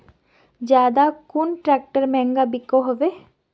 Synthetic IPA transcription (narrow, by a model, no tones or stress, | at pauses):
d͡ʒaːd̪akunʈɾɛk̚ʈəɾmɛ̃ŋɡabikoɦoʋe